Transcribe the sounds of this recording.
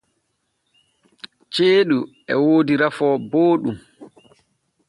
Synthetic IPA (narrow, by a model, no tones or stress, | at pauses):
t͡ʃeːɗu | ɛ̰woːdiɾafɔːboːɗum